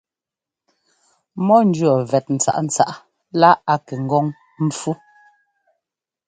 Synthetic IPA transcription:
mɔ˦n̩˦d͡ʒɥɔ˨vɛ˨t̚n̩˨t͡sa̰˨ʔn̩˨t͡sa̰˦˨ʔ | la˦a˨kɛ˨ŋ̩˦ɡɔ˦ŋ | m̩˦fu˦

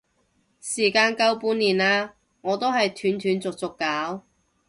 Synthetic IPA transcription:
siː˨˩kaː˧nkɐ˥wpuː˨˥nːiː˨˩naː˧ | ŋɔː˨˧t̪o˥wɦɐ˨jt̪ʰyː˨˥nt̪ʰyː˨˧nt͡sʊ˨k̚t͡sʊ˨kːaː˨˥w

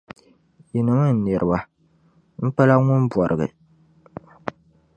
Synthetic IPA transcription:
ji˨nɨ˨mɨ˦˨n̩˨nɛ˨ɾʔɨ˨ba˦ | m̩˦pa˦la˦ŋʊ˦nbwɔ˨ɾʔɨ˨ɡɨ̰˨

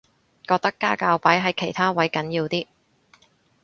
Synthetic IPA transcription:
kɔː˧k̚t̪ɐ˥kːaː˥kaː˧wpaː˨˥jɦɐ˨jkʰe˨˩jt̪ʰaː˥wɐ˨˥jkɐ˨˥njiː˧wt̪iː˥

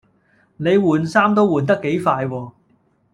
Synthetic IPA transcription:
ne˨˧jwuː˨˩nsaː˥mt̪o˥wuː˨˩nt̪̬ɐ˥kːe˨˥jfaː˧jwɔː˧

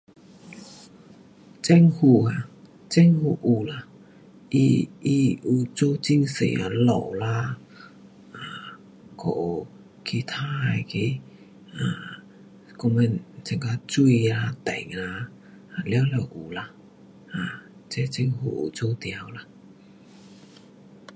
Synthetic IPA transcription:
t͡sɛ˧˥ŋhu˧˩a˧˨ | t͡sɛ˥ŋhu˧ʔu˨˩la˧ | i˧i˧ʔu˧˩t͡so˥˧t͡ɕi˥˧ŋsḛ˨˩a̰˧˩lɔ̰˨˩wla˧ | a˨ | kʰo˧˨˩ | kʰi˧˩t̪ʰa˦˥a˧ki˧˦ | a˨˩ | kɔ˧mɛ˧˨nt͡sɛ˨˩ŋka˧t͡su˧la˧t̪ɛ̰˨˩˦ŋla˧ | a˨ljwlɛ˧˩wʔu˨˩la˧ | ha˨˩t͡sɛ˧t͡sɛ˥ŋhu˧˩ʔṵ˨˩t͡so˥˧t̪ja˧˩wla˧˥

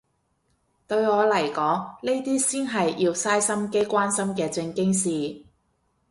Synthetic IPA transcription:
t̪ɵ˧ɥŋɔː˨˧lɐ˨˩jkɔː˨˥ŋne˥t̪iː˥siː˥nɦɐ˨jjiː˧wsaː˥jsɐ˥mke˥jkʷaː˥nsɐ˥mkɛː˧t͡sɪ˧ŋkɪ˥ŋsiː˨

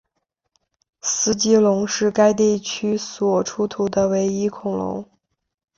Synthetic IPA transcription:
sɹ̩˥t͡ɕi˥lʊ˧˥ŋʂɻ̩˥˩ka˥ɪt̪̬i˥˩t͡ɕʰy˥swɔ˨˩ʈ͡ʂʰu˥t̪ʰu˨˧˥d̪ə˧we˧˥ɪi˥kʰʊ˨˩ŋlʊ̰˧˥ŋ

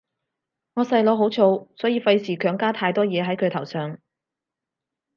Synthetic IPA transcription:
ŋɔː˨˧sɐ˧jlɔː˨˧ɦo˨˥wt͡ʃʰo˨˧wsɔː˨˥jiː˧fɐ˧jsiː˨˩kʰœː˨˥ŋkaː˥t̪ʰaː˧jt̪ɔː˥jɛː˨˧ɦɐ˨˥jkʰɵ˨˧ɥt̪ʰɐ˨˩wsœː˨ŋ

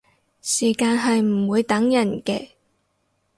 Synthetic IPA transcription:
siː˨˩kaː˧nɦɐ˨jm̩˨˩wuː˨˧jt̪ɐ˨˥ŋjɐ˨˩nkɛː˧

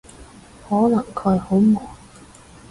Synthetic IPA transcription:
hɔː˨˥lɐ˨˩ŋkʰɵ˨˧ɥho˨˥wmɔː˨˩

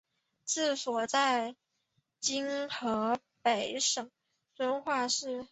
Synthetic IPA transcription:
t͡sɹ̩˥˩swɔ˨˩t͡sa˥˧ɪ | t͡ɕi˥nxɤ˧˥ | pe˨˩ɪʂɤ˨˩˦ŋ | t͡swə˥nxwa˥˧ʂɻ̩˥˩

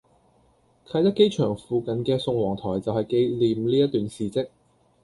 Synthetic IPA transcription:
kʰɐ˧˥jt̪ɐ˥t̚ke˥jt͡ʃʰœː˨˩ŋfuː˨˧kɐ˨˧nkɛː˧sʊ˧ŋwɔː˨˩ŋt̪ʰɔː˨˩jt͡sɐ˨whɐ˨jke˧jliː˨mliː˥jɐ˥t̪yː˨nsiː˨t͡sɪ˥k̚

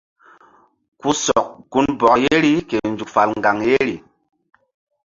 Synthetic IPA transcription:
ku˦sɔ˨k̚ku˦nbɔ˨kje˦ɾi˦ke˨nd͡ʒu˨kfa˨lŋɡa˨ŋje˦ɾi˨

